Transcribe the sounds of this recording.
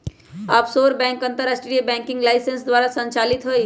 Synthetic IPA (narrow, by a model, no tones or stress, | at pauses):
aːpsoːɾbɛ̃ːŋkə̃nt̪əɾasʈɽiebɛ̃ːŋkɪ̃ŋɡlaɪsensd̪ʋaːɾasə̃nt͡ʃaːlit̪ɦoj